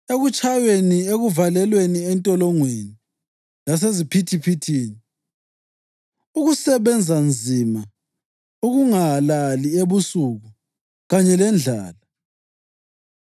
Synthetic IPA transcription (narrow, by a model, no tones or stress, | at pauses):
eɣut͡ʃʼajenieɣuvalɛlweniɛntʼɔlɔŋweni | las̬ezipʰitʰipʰitʰiːni | uɣusɛβɛnd͡zʱand͡zʱima | uɣuŋalalieβusuɣu | ɣaɲɛlɛnd͡ɮʱaːla